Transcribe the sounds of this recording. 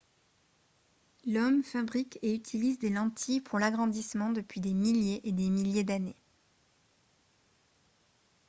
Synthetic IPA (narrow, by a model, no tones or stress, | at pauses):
lɔmfabʁikeyt̪ʰilizd̪elɑ̃t̪ʰipʰuʁlaɡʁɑ̃d̪ismɑ̃d̪əpɥid̪emiljeʔed̪emiljed̪ane